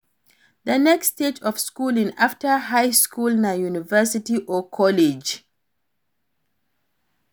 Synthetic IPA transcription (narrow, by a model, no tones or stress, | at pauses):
d̪ənɛksted͡ʒɔfskulĩnaftəɦaɪskʰulnajunivəsitiʔɔkʰɔled͡ʒ